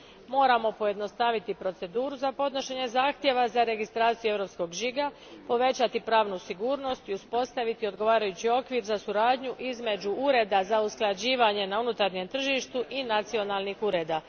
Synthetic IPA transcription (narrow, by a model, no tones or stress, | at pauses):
mo̞ːɾamo̞po̞je̞d̪nost̪aʋit̪ipɾo̞t̪se̞d̪uːɾuzapo̞d̪no̞ʃe̞ɲe̞zaːxt̪je̞ʋazaɾe̞ɡist̪ɾaːt̪sijue̞ʋɾo̞psko̞ɡʒiɡa | po̞ʋe̞t͡ɕat̪ipɾaːʋnusiɡuːɾno̞st̪iuspo̞st̪aʋit̪io̞d̪ɡo̞ʋaːɾajut͡ɕio̞kʋiɾzasuɾaːd̪ɲuʔizme̞d͡ʑuuɾe̞d̪azausklˠad͡ʑiːʋaɲe̞naunut̪aɾɲe̞mt̪r̩ʒiʃt̪uʔinat̪sio̞nalnixuɾe̞ːd̪a